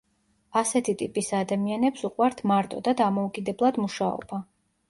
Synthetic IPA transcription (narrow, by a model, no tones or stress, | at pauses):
asɛt̪ʰit̪ʼipʼisad̪amianɛpsuqʼwaɾt̪ʰmaɾt̪ʼɔd̪ad̪amɔukʼid̪ɛblˠad̪muʃaɔ̰ba